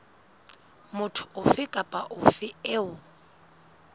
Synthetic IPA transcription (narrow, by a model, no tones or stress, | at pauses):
mʊtʰʊ̥ʊfɪkʼapʼaʔʊfɪɛʊ